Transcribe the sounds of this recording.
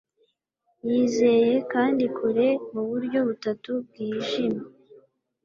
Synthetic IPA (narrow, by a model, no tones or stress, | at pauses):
jiːze̞je̞kaːndikʰuɾe̞muβuɾɟo̞βutatub̚ɡiːʒima